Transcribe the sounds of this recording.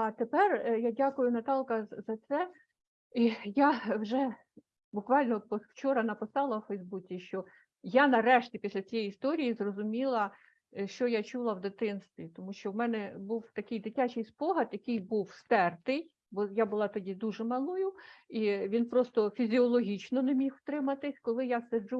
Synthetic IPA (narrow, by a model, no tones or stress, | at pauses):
ɑt̪epɛrjadʲakʊjʊnɐt̪ɑlˠkɐzɐt̪sɛ | ijawʒɛ | bʊkʋɑlʲnɔpɔwt͡ʃɔɾɐnɐpɪsɑlˠɐwfɛjzbut͡sʲiʃt͡ʃɔ | janɐɾɛʃtʲipʲisʲlʲɐt͡sʲijɛjist̪ɔɾʲijizrɔzʊmʲilˠɐ | ʃt͡ʃɔjat͡ʃulˠɐwd̪ɪt̪ɪnst̪ʋʲit̪ɔmuʃt͡ʃɔwmɛnɛbuwt̪ɐkɪjd̪ɪtʲat͡ʃɪjspɔɦɐd̪jɐkɪjbuwst̪ɛrt̪ɪj | bɔjabʊlˠɑt̪ɔdʲid̪uʒɛmɐlˠujʊiʋʲinpɾɔst̪ɔfʲizʲiɔlˠɔɦʲit͡ʃnɔnemʲixwt̪ɾɪmɐt̪ɪsʲkɔlˠɪjased͡ʒu